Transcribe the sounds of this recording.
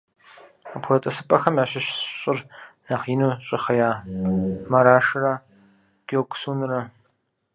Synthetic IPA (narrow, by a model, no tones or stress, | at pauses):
apʰʷrɐtʼɐsɨpʼɐxɐmjaːɕɐɕɕʼɪrnaːχiːnuːɕʼɪχɐjaː | mɐɾaːʃɨra | ɡ̥ʲokʷsuːnɨrɐ